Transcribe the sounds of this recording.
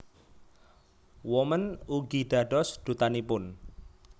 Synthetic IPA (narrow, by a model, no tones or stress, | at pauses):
wɔmənuɡiɖ̥a̤ɖɔsd̥ut̪anipʊn